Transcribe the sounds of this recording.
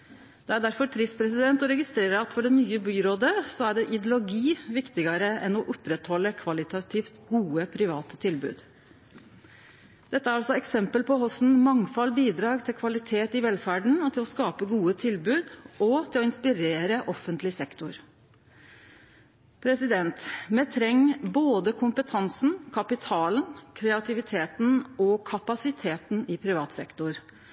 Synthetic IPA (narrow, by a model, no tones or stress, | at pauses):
d̪̥ɛæɖæɾfɔt̪ʰɾɪspʰɾɛsɪd̪ɛnt̪ɔɾɛɡɪst̪ɾeːɾəɾɑt̪fɔɖɛnyːəbyːɾoːd̪əsɔæɖɛʔɪd̪jʊlʊɡiːʋɪkt̪ɪɡəɾəʔɛnɔʔɔpɾɛt̪hɔlːəkʰʋɑlɪt̪ɑt̪ʰɪft̪ɡuːəpʰɾɪʋɑːt̪ə̥t̪ʰɪlbʉ̰ːd̪ | d̪̥ɛt̪ːəæɾɑlsɔɛksɛmpəlpʰɔhɔsn̩mɑŋfɑlbiːd̪ɾɑːɡt̪ʰɪlkʰʋɑlɪt̪ʰeːt̪ɪʋɛlfæɖɳ̩t̪ʰɪlɔskɑːpəɡuːət̪ʰɪlbʉːd̪ʔɔt̪ʰɪlɔɪnspɪɾeːɾəʔɔfːənt̪lɪsɛkt̪ʊɾ | pʰɾɛsɪd̪ɛnt̪mɛt̪ʰɾɛŋːboːd̪əkʰʊmpət̪ʰɑnsn̩kʰɑpɪt̪ʰɑːlənkʰɾɛɑt̪ʰɪʋɪt̪ʰeːt̪n̩ɔkʰɑpɑsɪt̪ʰeːt̪n̩ɪpʰɾɪʋɑːt̪sɛ̰kt̪ʊɾ